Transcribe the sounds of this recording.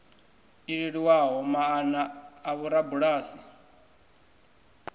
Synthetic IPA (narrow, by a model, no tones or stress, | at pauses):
iɺeɺiwaɦɔmaːnaːβuɾabuɺaːsi